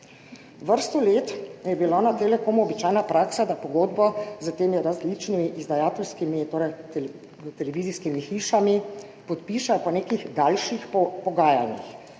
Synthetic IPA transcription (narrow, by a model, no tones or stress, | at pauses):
ʋəɾst̪ɔleːt̪jɛbilanat̪eːlɛkoːmuɔbit͡ʃaːjnapɾaːksad̪apɔɡoːd̪bɔzət̪eːmiɾazlit͡ʃnimiʔizd̪ajaːt̪ɛlskimit̪oːɾɛjt̪ | t̪ɛlɛʋiziskimixiːʃami | pɔt̪piːʃapɔneːkiɣd̪aːlʃixpɔɡaːjalnix